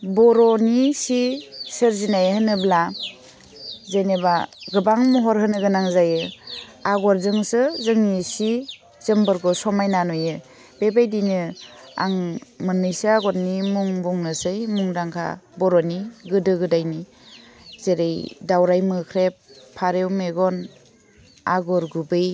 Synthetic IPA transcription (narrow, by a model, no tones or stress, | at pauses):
bɔɾɔnisisɯɾzinajhɯnɯbla | zenebaɡɯbaŋmɔɦɔɾɦɯnɯɡɯnaŋzajɯaɡɔɾzɯŋsɯzɯŋnisi | z̥ɯmbɯɾɡɔsɔmajnanɔjɯ | b̥ebajdinɯa̰ŋmɯnɯjsɯaɡɔtnimuŋbuŋnɯsɯjmuŋdaŋkʰa̰bɔɾɔniɡɯdɯɡɯdajni | z̥eɾejdawɾajmɯkʰɾepʰːaɾewmeɡɔn | aɡɔɾɡubɯj